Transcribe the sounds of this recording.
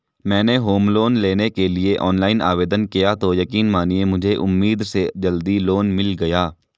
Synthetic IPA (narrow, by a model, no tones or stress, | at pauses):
mɛ̃ːneɦoːmloːnleːnekelieʔɔːnlaːɪna̰ːʋeːd̪ənkijat̪ojɐkiːnmaːniemʊd͡ʒʱeʔʊmːiːd̪sed͡ʒɐld̪iloːnmɪlɡɐjaː